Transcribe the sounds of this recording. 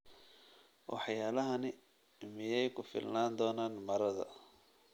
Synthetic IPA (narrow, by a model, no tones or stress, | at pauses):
wʔɑ̰ħjaːlɐɦɐnɪ | mɪjɛjkʰʊfɪ̰lnaːnd̪ɔːnaːnmɐɾɐðɐ̰